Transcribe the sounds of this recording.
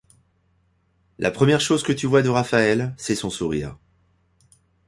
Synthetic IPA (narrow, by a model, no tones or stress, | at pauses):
lʔa̰pχəmjɛʁʃozkət̪yvwad̪əʁafaɛlsɛsɔ̃suʁiːʁ